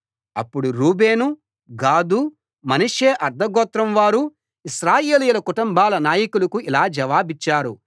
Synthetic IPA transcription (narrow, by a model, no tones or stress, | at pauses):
ɐ̰pːuɽuɾuːbe̞ːnu | ɡaːd̪uː | mɐniʂeːʔɐɾd̪ʱɐɡɔːt̪ɾɐmʋaːɾu | iʃɾaːje̞ːlijulɐkuʈumbʱaːlɐnaːjɐkulɐkuilaːd͡ʒɐʋaːbit͡ʃːaːɾu